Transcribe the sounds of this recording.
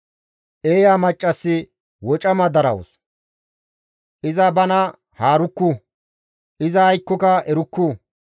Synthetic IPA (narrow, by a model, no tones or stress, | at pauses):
ʔeːjaːmɐt͡ʃʼːɐsːɪ | wɔt͡ʃʼɐmɐd̪ɐɾɐ̰wɔ̰s | ʔɪzɐbɐnɐ | haːɾʊkːu | ʔɪzɐhɐjkːɔkɐɛɾʊkːʊ